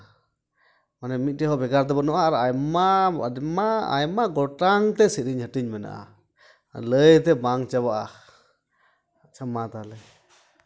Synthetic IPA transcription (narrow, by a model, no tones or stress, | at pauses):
manɛmic̪̚ˀʈɛɦɔbɛɡaɾt̪̬ɛbɔnɔʔaɾajmamaa̰jmaɡɔʈaŋt̪ɛsiɾiɲhəʈiɲmɛna̰ʔa̰ | ləjt̪ɛbaŋt͡ʃabaʔa | t͡ʃʰamat̪alɛ